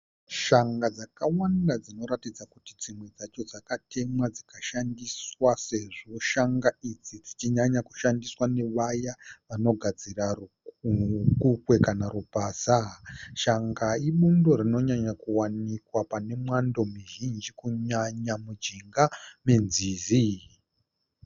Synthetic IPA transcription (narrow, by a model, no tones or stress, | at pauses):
ʃaŋɡad͡zakawandad͡zino̞ɾatid͡zakutid͡zimwed͡zat͡ʃo̞d͡zakatʰe̞mwad͡zikaʃandiswase̞ʐo̞ʃaŋɡaid͡zid͡zit͡ʃiɲaɲaku̥ʃandiswane̞ʋajaʋano̞ɡʱad͡ziraru | kukwe̞kanarupaːsaʃaŋɡaiɓundo̞rino̞ɲaɲakuwanikwapane̞mwando̞miʒind͡ʒikuɲaɲamud͡ʒiŋɡame̞nziːzi